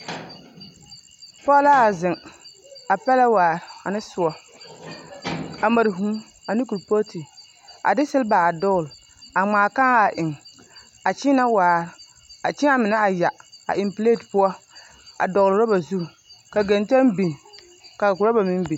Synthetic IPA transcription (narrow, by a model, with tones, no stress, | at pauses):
pɔː˦la˦a˨zɪ˨ŋ | a˨pɛ˦la˦waː˨ɾa˨nɪ˦sʊ˦ɔ˦ | a˨ma˨ɾɦũː˦ | a˨nɪ˦ku˨ɾpo˦ti˨ | a̰˨dɪ˦sɪ˦lba˨a˨dɔː˦ɣl | a˨ŋ͡maː˨ka˦a˨ʔɪ˨ŋ | a˨t͡ʃi˦na˦waː˨ɾ | a˨t͡ʃɪ˦a˦mɪ˨na˦a˨ja˨a̰˨ʔɪ˨mpleː˦˨tpʊ˦ɔ˦ | a̰˨dɔ˨ɣlɾa˦ba˨zu˦ɾ | ka˨ɡɛ˨ntɛ˦nbi˨ŋ | ka˨ɡʊ˨ɾa˦ba˨mɪ˦mbi˨